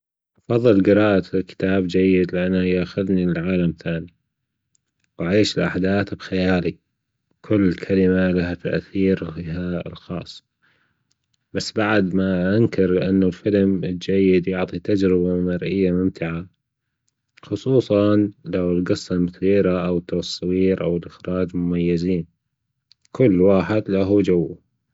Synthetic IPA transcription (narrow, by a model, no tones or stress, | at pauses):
ʔɑfɑðˤːɨlɡɪɾɑːʔakɪ̥t̪aːbd͡ʒajːɪd̪lɪʔanːajaxaðniɪlʕaːlamθaːni | waʕeːʃɪlʔa̰ħd̪aːθbxajaːli | kʰʊlːkʰalɪmalaɦat̪a̰ʔθiːɾfiɦa̰lxɑ̰ːsˤː | basːbaʕd̪maʔankɪɾlɪʔanːulfɪlmɪld͡ʒajːɪd̪jʊʕt̪ˤit̪ad͡ʒɾɪbamɑɾʔɪjːamʊmt̪ɪʕa | xʊsˤuːsˤɑnlawlɡɑsˤːɑmt̪iːɾaʔawt̪ːawsˤːɑwiːɾʔawɪlʔɪxɾɑːd͡ʒmʊmajːɪziːn | kʰʊlːwaːħɪd̪laɦud͡ʒawːa